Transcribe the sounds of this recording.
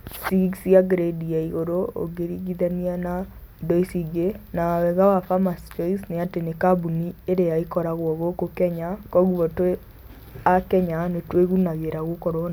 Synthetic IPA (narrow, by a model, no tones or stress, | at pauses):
sisiaɡɾediaiɣoɾoo̰ɡeɾiɣiðaniana | dɔisiɡenawɛɣawafamast͡ʃɔisneatenekabunieɾeaikɔɾaɣwɔɣokokɛɲakɔɣuɣɔtwe | akɛɲanetweɣunaɣeɾaɣokɔɾɔna